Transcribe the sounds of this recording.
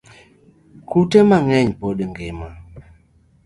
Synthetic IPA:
kutemaŋɛɲpoɗəŋɡema

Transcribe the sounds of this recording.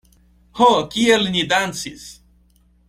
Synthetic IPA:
hokʲielnʲid̪ansis

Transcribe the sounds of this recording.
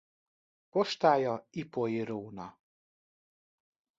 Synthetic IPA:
pɔʃt̪ajɔipɔjiɾuːnɔ

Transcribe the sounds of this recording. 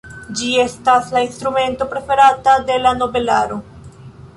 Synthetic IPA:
d͡ʒie̞staslainstɾume̞nto̞pɾe̞fe̞ɾatade̞lano̞be̞laɾo̞

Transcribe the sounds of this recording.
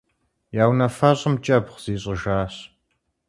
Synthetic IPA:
jaːwnɐfɐɕʼɪmt͡ʃʼɐbχz̥iːɕʼɪʒaːɕ

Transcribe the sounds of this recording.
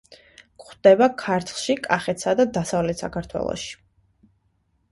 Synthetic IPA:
kχd̪̥ɛbakʰaɾt̪ʰˠʃikʼaχɛt̪ʰsad̪ad̪asavlɛt̪sa̰kʰaɾt̪ʰwɛ̰lˠɔ̰ʃi̥

